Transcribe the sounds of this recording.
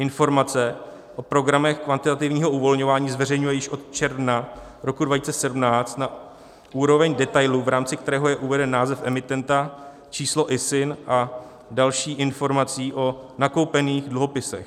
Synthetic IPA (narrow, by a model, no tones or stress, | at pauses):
ʔɪnfo̞ɾmat͡sɛ | ʔo̞pɾo̞ɡɾamɛxkvant̪ɪt̪at̪ɪvɲiːɦo̞uvo̞lɲo̞vaːɲiːzvɛrɛjɲujɛjɪʃʔo̞t̪t͡ʃɛɾvna | ɾo̞kudvaciːt͡sɛsɛdumnaːt͡st̪na | ʔuːɾo̞vɛɲdɛt̪ajluvɾaːmt͡sɪkt̪ɛɾɛːɦo̞jɛʔuvɛdɛnːaːzɛfʔɛmɪt̪ɛnt̪a | t͡ʃiːslo̞ʔɪsɪnʔa | dalʃiːʔɪnfo̞ɾmat͡siːʔo̞nako̞wpɛniːxdluɦo̞pɪsɛ̰x